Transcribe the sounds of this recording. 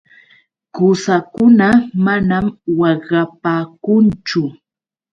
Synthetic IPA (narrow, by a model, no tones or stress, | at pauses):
kʊsakʊnamanamwɑɢɑpaːkʊnt͡ʃʊ